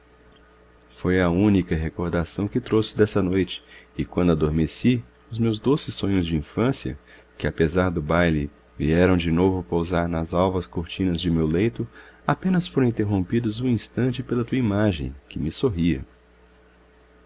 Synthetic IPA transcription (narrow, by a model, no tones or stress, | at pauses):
fojɐũnikɐɦekoɾd̪asɐ̃w̃kɪt̪ɾosɪ̥d̪ɛsɐnojt͡ʃɪ̥ɪkwɐ̃nd̪ʊad̪oɾmesi | ʊzmewzd̪osɪsõɲʊzd͡ʒɪĩfɐ̃sjɐ̰ | kɪapezaɾd̪ʊbajli | vḭɛɾɐ̃w̃d͡ʒɪnovʊpowzaɾnɐzawvɐskoɾt͡ʃĩnɐzd͡ʒɪmewlejt̪ʊapẽnɐsfoɾɐ̃ĩnt̪eɦõmpid̪ʊzũĩst̪ɐ̃nt͡ʃɪpelɐt̪uɐimaʒḛ̃j̃kɪmɪsoɦiɐ̰